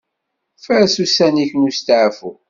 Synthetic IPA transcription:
fəɾsusæniçənust̪ʕfu

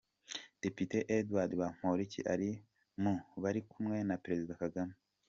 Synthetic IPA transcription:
d̥e̞piteʔedwaɾdβam̥oɾiciʔaɾi | muβaɾikumŋe̞napeɾe̞zidakaɡame

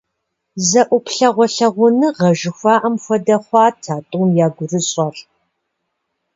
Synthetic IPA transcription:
zɐʔʷʊpɬɐʁʷɔɬɐʁʷʊnɨʁɐʒɪxʷɑːʔɐmxʷɔdɐχʷɑːtʰaːtʼuːmjaːɡʷʊrɨɕʼɐr

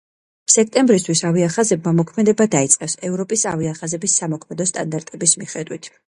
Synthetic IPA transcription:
sɛk̚ʰt̪ʼɛmbɾis̬t̪ʰwisaviaχazɛb̚mamɔkʰmɛd̪ɛbad̪ait̪sʼqʼɛfsɛvɾɔpʼisaviaχazɛbisːamɔkʰmɛd̪ɔst̪ʼa̰nd̪aɾt̪ʼɛbismiχɛd̪wit̪ʰ

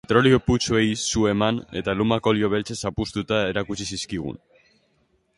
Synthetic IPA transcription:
et̪ɾo̞lioput͡suejsue̞mane̞t̪alumako̞ljo̞βe̞lt͡se̞sapust̪ut̪ae̞ɾakut͡ʃisiskiɣ̞ṵn

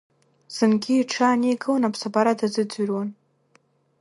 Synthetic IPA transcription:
z̥ɨnɡʲiːʈ͡ʂʰaːneɡɨwanapʰsabaɾadazɨd͡zyrwan

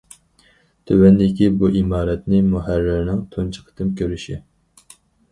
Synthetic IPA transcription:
t̪ʰøwɛnd̪ɪkʲibuʔimɑːɾɛt̪nɪmuɦæɾːɪɾnɪŋt̪ʰunt͡ʃʰə̥qʰə̥t̪ʰɨmkʲʰøɾyʃi

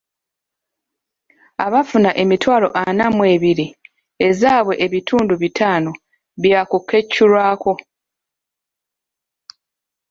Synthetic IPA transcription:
aβafunaʔe̞mitwaːlo̞̰ʔanamwe̞ːβiɾi | e̞zaːβwe̞ʔeβitʰuːnduβitʰaːno̞ | βjakukʰːe̞cːuɾwaːko̞

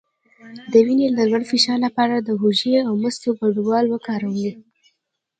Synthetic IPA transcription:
d̪əwinelalwaɽfɪʃɑɾlapɑɾad̪əɦuʒeawməst̪oɡaɖuwɑlwəkɑɾawli

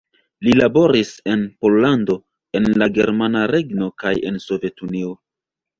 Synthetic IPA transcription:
lilabo̞ɾise̞npo̞lːando̞ | e̞nlaɡe̞ɾmanaɾe̞ɡno̞kaje̞̰nso̞ve̞tunio̞

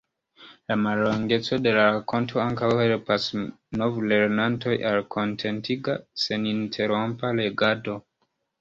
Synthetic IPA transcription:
lamalːoŋɡe̞t͡so̞de̞laɾako̞ntʰo̞aŋkawhelpas | no̞vle̞ɾnanto̞jʔalkʰo̞ntʰe̞ntʰiɡase̞nintʰe̞ɾo̞mpale̞ɡado̞

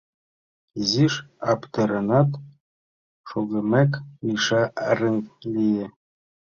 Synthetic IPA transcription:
ziʃɑpt̪ɤ̆ɾɤ̆nɑt̪ | ʃuɣɘ̆mækmʲiʃɑɾɘ̆ŋlʲijɘ

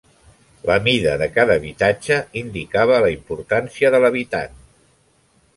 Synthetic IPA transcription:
ləmiðəðəkaðəːβit̪ad͡ʒəind̪ikaβ̞ələimpuɾt̪ansiəðələβ̞it̪a̰n

